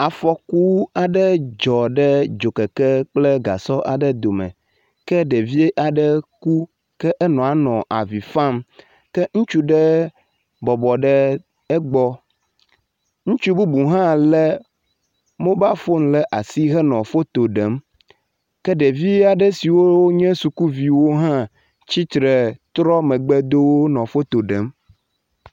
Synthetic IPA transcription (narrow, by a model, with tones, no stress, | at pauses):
a˨fɔ˨ku˦a˨ɖɛ˦d͡ʒɔ˨ɖɛ˦d͡ʒo˨kɛ˨kɛ˦k͡plɛ˦ɡa̰˨sɔ˦ʔa˨ɖɛ˦d̪o˨mɛ̰̃˨ | kɛ˦ɖe˨vi˦e˦ʔa˨ɖɛ˦ku˦ | kɛ˦ʔɛ˦nɔ̃˨a˨nɔ̃˨ʔa˨vi˨fã˦˨m | kɛ˦ŋũ˦t͡ʃu˦ɖɛ˦ | bɔ˨bɔ˨ɖɛ˦ | ɛ˦ɡ͡bɔ˦ | ŋũ˦t͡ʃu˦bu˦bu˨ɦã˦lɛ˦ | mõ˦ba˦fo˦ŋ̃˦lɛ˦ʔa˨si˦ɣɛ˦nɔ̃˨fo˦t̪o˨ɖɛ˨˦m | kɛ˦ɖe˨vi˦a˨ɖɛ˦si˨wo˦ɲɛ̃˦su˨ku˦vi˨wo˦ɦã˦ | t͡ɕi˦t̪ɾɛ˨t̪ɾɔ˦mɛ̃˨ɡ͡bɛ˦d̪o˦wo˦nɔ̃˨fo˦t̪o˨ɖɛ˨˦m